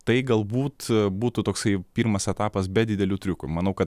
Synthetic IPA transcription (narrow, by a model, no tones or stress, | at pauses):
t̪ɐɪɡɐlˠbuːt̪buːt̪ʊt̪oːksɐɪpʲiːɾmɐsɛt̪ɑːpɐsbʲɛd̪ʲɪd̪ʲɛlʲut̪ʲɾʲʊkʊmɐnɐʊkɐt̪